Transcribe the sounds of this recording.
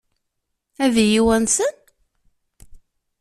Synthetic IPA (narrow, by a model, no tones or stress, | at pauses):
ævijiwænsən